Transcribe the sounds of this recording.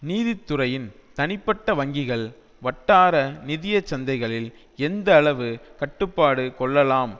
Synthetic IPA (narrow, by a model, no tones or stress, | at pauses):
niːðɪt̪ːɯrɐjɪnt̪ɐnɪpːɐʈːɐʋɐŋɡɪɣɐɭ | ʋɐʈːaːɾɐnɪðɪjɐt͡ʃːɐnd̪ɐɪɣɐɭɪl | ɛnd̪ɐːɭɐʋɯkɐʈːɯpːaːɽɯkɔɭːɐlaːm